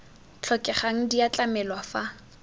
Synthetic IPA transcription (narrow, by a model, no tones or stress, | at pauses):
t͡ɬʰɔkʼɛχaŋ̩diat͡ɬʼamɛlwafa